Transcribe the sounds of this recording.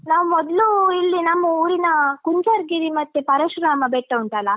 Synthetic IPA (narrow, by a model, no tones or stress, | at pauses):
naːʋumɔd̪luilːinɐmːuuːɾinɐkuɲt͡ʃɐɾɡiɾimɐt̪ːepɐɾɐʃɾaːmɐbɛʈːɐuɳʈɐlɐ